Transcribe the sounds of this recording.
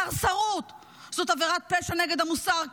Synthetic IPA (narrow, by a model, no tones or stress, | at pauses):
aʁsaʁut̪ | z̥ot̪aveʁat̪̚peʃaneɡed̪hamusaʁ